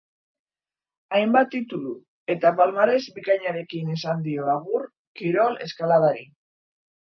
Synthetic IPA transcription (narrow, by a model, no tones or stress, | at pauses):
ajmbat̪ːit̪ulu | e̞t̪apalmaɾe̞zbikaɲaɾe̞kinesand̪io̞aɣuɾ | kiɾo̞le̞̰skalað̞aɾi